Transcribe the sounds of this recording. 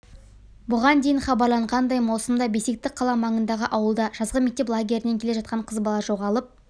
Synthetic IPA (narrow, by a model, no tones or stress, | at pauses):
bʊʁɑnd̪e̞jɪɴχɑbɑɾlˠɑɴʁɑnd̪ɑjmɑw̪ˠsəmd̪ɑbe̞se̞k̚t̪ɪk̚qʰɑlˠɑmɑɴənd̪ɑʁəʔɑwəlˠd̪ɑʒ̥ɑzʁəme̞k̚t̪e̞plˠaɡʲe̞ɾɪne̞ŋkʲʰe̞le̞ʒɑt̪̚qɑɴqʰəzbɑlˠɑʒo̞ʁɑlˠəp̚